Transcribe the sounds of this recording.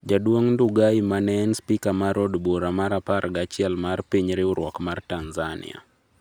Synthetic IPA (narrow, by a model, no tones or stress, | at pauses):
d͡ʒadwoŋnduɡaimanɛnspikamaɾɔdbɔɾamaɾapaɾɡat͡ʃɪɛlmarpiɲɾɪuɾwɔkmartanzanḭa̰